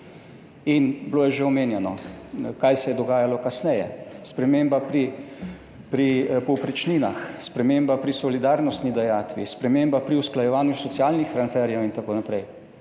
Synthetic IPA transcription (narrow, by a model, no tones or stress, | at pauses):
inbloːjɛʒeɔmeːnjɛnɔkajsɛjɛd̪ɔɡaːjalɔkasnɛjɛ̰spɾɛmeːmbapɾi | pɾipɔwpɾɛt͡ʃniːnaxspɾɛmeːmbapɾisɔlid̪aːɾnɔst̪nid̪ɛjaːt̪ʋḭspɾɛmeːmbapɾiusklajɛʋaːnjusɔt̪sjaːlnixɾanfɛɾjɛwint̪akoːnapɾɛj